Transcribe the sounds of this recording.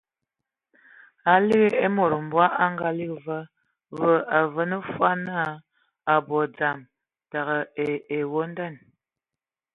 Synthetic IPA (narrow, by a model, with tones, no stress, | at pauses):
a˨li˦ɣe˦e˦mo˨ɾə˨m̩˨bwa˦ʔa˦ŋɡa˦li˦kvə˦ | və˦a˨və˨˦nə˦fwa˦na˦a˦ | a˨bɔ˨d͡za˨m | ta˨ɣə˨e˨e˨wo˦n˦da˦˨n